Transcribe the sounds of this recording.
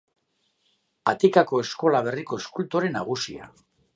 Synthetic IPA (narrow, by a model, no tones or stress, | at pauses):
a̰t̪ikako̞e̞sko̞laβ̞e̞riko̞eskult̪o̞ɾe̞naɣ̞usia̰